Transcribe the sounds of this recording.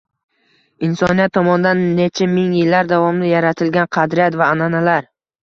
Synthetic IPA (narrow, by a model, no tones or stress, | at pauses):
ɪnsɒnijat̪ʰːɒmɒnd̪anːet͡ʃʰamɪŋjɪlːaɾd̪avɒmnɪjaɾat̪ʰɪlɡʲanqʰɑd̪ɾɪjat̪vaːnanalaɾ